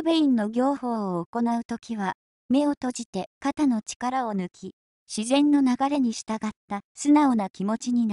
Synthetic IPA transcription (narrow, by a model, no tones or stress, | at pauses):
beĩnːo̞ɡʲo̞ːho̞ːoːko̞naɯ̟t̪o̞kʲiβa | me̞o̞t̪o̞ʑit̪e̞kat̪ano̞t͡ɕi̥kaɾao̞nɯ̟kʲʰi | ɕizẽ̞nːo̞naɡaɾe̞ɲ̟iɕi̥t̪aɡat̪ːasɨnaonakʲimo̞t͡ɕiɲ̟in